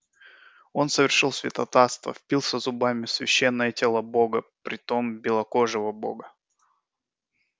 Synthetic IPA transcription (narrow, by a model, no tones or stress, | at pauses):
o̞nsəvʲɪrʂɨlˠsvʲɪt̪ɐt̪ast̪və̰fʲpʲilˠsʲəzʊbamʲɪsvʲɪɕːenːəjətʲelˠaboɡəpɾʲɪt̪ombʲɪlˠɐkoʐɨvəbo̰ɡə